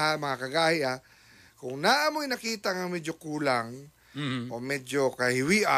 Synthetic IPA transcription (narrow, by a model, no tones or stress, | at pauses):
amɐŋakɐɡaːhɪʔa | kʊŋnaʔɐmojnɐkiːt̪ɐŋɐŋmɛd͡ʒokuːlaŋ | ʔomɛd͡ʒokɐhɪwiːʔa